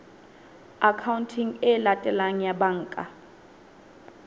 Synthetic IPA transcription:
akʰawuntʰiŋɛlatʼɛlaŋ̩jabaŋ̩ːkʼa̰

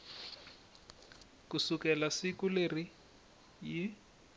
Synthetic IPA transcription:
kusukɛlasikuleri | ji

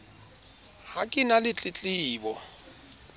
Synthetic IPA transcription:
hakʼɪnalɪt͡ɬʼɪt͡ɬʼɪːbɔ

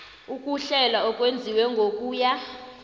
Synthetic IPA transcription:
ukʼuɬɛlaɔkʼwend͡zʱiwɛŋɡʱokʼuːja

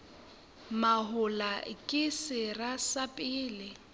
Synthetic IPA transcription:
maɦʊlakʼɪsɪrasapʼɪːlɪ

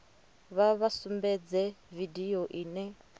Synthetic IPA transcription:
βaβasumbɛd͡zɛvidioʔiːnɛ

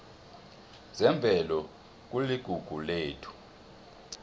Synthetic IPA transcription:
zɛmbʱɛlɔ | k̬uliɡ̥ʱuɡ̥ʱuleːtʰu̥

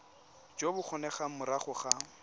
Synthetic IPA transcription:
d͡ʒobʊχʰɔnɛχamʊɾaχʊχa

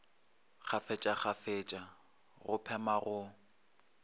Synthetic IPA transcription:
χafɛt͡ʃʼaχafet͡ʃʼa | ɣʊpʰɛmaɣʊ

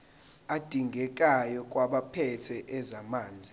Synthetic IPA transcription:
ad̥ʱiŋɡʱɛk̬ʼajɔk̬ʼwaɓapʰɛtʰɛʔɛzamaːnd͡zʱi

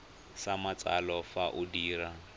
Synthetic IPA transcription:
samat͡sʼalɔfaʔʊdiːɾa

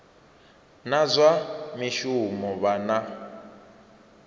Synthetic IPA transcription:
nazʷamiʃumɔβana

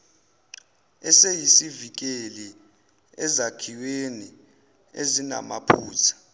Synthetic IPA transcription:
ɛsejisivik̬ʼeli | ɛzakʰiweni | ezina̰ma̰pʰuːtʰḁ

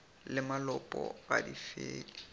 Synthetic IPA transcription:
lɪmalɔpʼɔɣadifeːlɪ

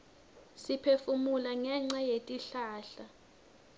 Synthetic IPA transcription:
sipʰefumulaŋɛŋ͡ǁajetʼiɬaːɬa

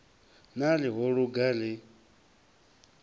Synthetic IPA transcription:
nalɪɦɔɺuɡalɪ

